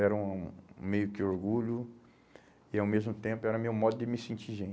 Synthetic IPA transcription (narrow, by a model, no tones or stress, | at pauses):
ɛɾɐũũmejʊkɪoɾɡuʎʊ | ɪawmezmʊt̪ẽpʊɛɾɐmewmɔd̪ʊd̪ɪmɪsẽt͡ʃiʒẽ